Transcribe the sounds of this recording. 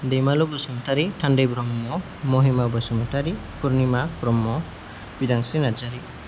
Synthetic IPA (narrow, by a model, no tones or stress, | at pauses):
d̪ejmalubəsumtaɾiʈʰaɳɖebɾɔmːɔ | moɦimabəsumtaɾi | puɾnimabɾɔmːɔ | bid̪aŋsinad͡ʒaɾi